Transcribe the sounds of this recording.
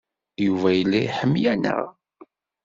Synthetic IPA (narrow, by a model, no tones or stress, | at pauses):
juvæjəlːiħəmːjænə̰ʁ